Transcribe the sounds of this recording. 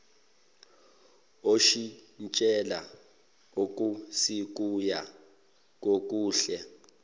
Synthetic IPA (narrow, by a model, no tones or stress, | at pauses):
oʃint͡ʃʼɛla̰ | uk̬ʼusik̬uja | k̬ʼok̬ʼuːɬɛ